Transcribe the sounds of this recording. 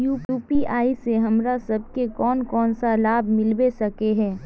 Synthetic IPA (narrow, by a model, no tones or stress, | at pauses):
juːuːpiaːiseɦɐmɾasɐb̚kekɔːnkɔːnsalaːbʱmɪlbesɐkeɦɛ̃ː